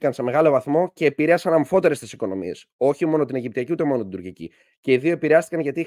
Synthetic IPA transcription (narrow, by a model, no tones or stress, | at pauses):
kɐnse̞me̞ɣɐlo̞vɐθmo̞ce̞ːpiɾeɐsɐnɐmfo̞t̪e̞ɾe̞st̪isiko̞no̞mḭe̞so̞çimo̞no̞t̪ineʝip̚t̪iɐciut̪e̞mo̞not̪id̪uɾcicḭ | ce̞iðio̞epiɾeɐst̪i̥kɐnʝɐt̪i